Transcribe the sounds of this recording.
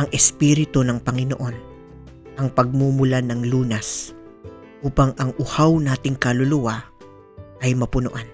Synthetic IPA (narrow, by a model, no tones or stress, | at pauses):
ʔɐŋʔɛspiːɾɪt̪onɐŋpɐŋɪno̰ʔo̞n | ʔɐŋpɐɡ̚mumʊlanɐŋluːnɐs | ʔuːpɐŋʔɐŋʔʊhawnaːt̪ɪŋkɐlʊlʊwa | ʔɐjmɐpʊnʊʔan